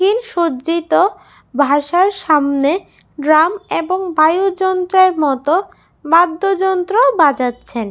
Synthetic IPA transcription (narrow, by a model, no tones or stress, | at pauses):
inʃoit̪o | bʱaʃaɾʃamne | ɖɾameboŋbajud͡ʑɔnt̪ɾeɾmɔt̪o | bad̪ʱːod͡ʑɔnt̪ɾobad͡ʑatːɕʰen